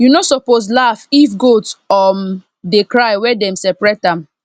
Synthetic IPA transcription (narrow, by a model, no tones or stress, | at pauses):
junosɔposlafifɡotɔm | dekɹajwɛdɛ̃msɛpɹɛt̚ãm